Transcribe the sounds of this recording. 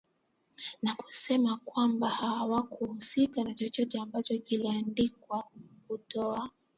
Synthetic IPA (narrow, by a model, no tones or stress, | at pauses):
naku̥sɛmakwambahawakuhusikanat͡ʃɔt͡ʃɔtɛambat͡ʃɔkiliandikwakutɔa